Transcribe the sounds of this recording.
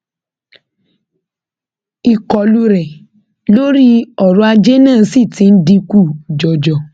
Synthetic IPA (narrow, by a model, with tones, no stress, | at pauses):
i˨kɔ˨lu˧˦ɾɛ˨ | lo˦ɾi˦ɔ˨ɾũ˨˦a˧d͡ʒe˦nã˦˨˧si˦˨tĩ˨˦n̩˦di˧ku˦˨d͡ʒɔ˨d͡ʒɔ˨